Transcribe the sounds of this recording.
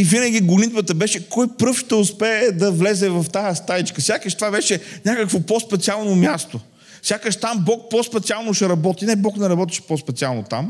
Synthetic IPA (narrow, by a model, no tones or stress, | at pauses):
ivinəɡ̟ʲiɡʊnʲit̪̚bət̪əbɛʃɛkɔjpɾɤfʃt̪ɛʊspɛːd̪ɐvlɛzɛvɐft̪ast̪ait͡ʃkəsʲjakəʃt̪vavɛʃɛnʲakəkvopospɛt̪sialˠnomʲjast̪o | fsʲjakəʃt̪ambɔk̚pɔspɛt̪sialˠnʊʃɛɾɐbɔt̪inɛbɔknɛɾɐbɔt̪i̥ʃɛ̥pospɛt̪sialˠnot̪a̰m